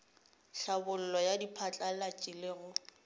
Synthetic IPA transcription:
ɬabʊl̩lɔjadipʰat͡ɬʼalat͡ʃʼɪleɣʊ

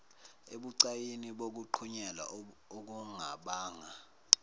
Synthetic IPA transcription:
eɓuǀajiniɓok̬uǃʰuɲɛla̰ | ok̬uŋaɓaːŋa

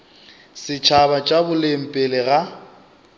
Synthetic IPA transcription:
sɪt͡ʃʰaβat͡ʃʼabʊlem̩pʼelɪɣa

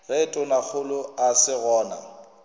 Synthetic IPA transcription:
ɣɛtʼʊnak͡xʰʊlʊasɪɣɔːna̰

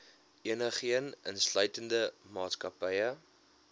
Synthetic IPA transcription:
ʔiənəχiənənslœɥtəndəmɑːtskɐpəjə

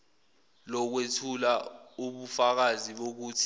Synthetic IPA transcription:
lɔk̬wetʰulauɓufak̬aziɓok̬uːtʰi̥

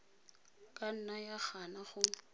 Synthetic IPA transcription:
kʼan̩najaχanaχʊ

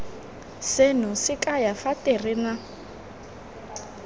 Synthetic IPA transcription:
sɪnʊsɪkʼajafatʼerɪna

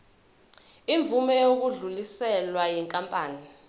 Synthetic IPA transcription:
iɱb̪vʱumɛjok̬uɮulisɛlwajɛŋkʼampʼaːni

